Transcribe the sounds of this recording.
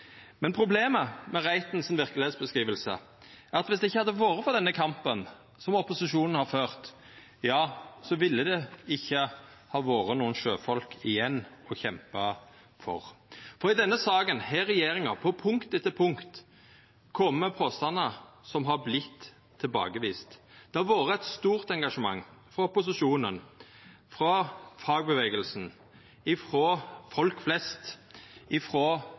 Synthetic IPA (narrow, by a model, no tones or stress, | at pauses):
mɛnpʰɾʊbleːməmɛʁæɪt̪nsɪnʋɪʁkəlɪheːt̪sbəskɾiːʋəlsə̰ | æɾɑt̪ʋɪsd̪ɛɪçːəhɑd̪ːəʋoːɾəfɔʁd̪ɛnːəkʰɑmpən | sɔmɔpʊsɪʂuːnn̩hɑɾføːʁt̪ | jɑːsɔʋɪlːəd̪ɛɪçːə | hɑːʋoːɾənuːənʃøːfɔlkʰɪjɛnːɔçɛmpə | fɔ̰ʁfɔɾɪd̪ɛnːəsɑːɡənhɛɾɛjeːɾɪŋɑpʰɔpʰʊŋkt̪ɛt̪əpʰʊŋkt̪ | kʰɔmːəpʰoːst̪ɑnəsɔmɦɑɾblɪt̪ʰː | ɪlbɑ̰ːɡəʋiːst̪d̪̥ɛɑʋoːɾəæt̪st̪uːʁt̪ɛŋɡɑʂəmɑ̰ŋːfɾɔpʊs̬ɪʃuːnən | fɾɔfɑːɡ̚bəʋeːɡəlsn̩ | ɪfɾoːfɔlkflɛst̪ɪfɾoː